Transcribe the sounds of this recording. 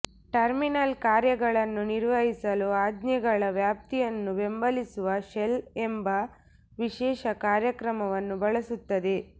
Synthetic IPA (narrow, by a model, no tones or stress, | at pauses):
ʈɐɾminɐlkaːɾjɐɡɐɭɐnːuniɾʋɐɦisɐluaːd̪njɐɡɐɭɐʋjaːp̚t̪ijɐnːuʋe̞mbɐlisuʋɐʃelembɐ | ʋiʃɛːʃɐkaːɾjɐkɾɐmɐʋɐnːubɐɭɐsut̪ːɐd̪e̞